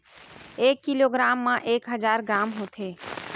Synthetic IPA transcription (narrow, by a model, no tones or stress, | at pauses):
eːkːiloːɡɾaːmːãʔeːkɦəzaːɾɡɾaːmɦoːt̪ʰeː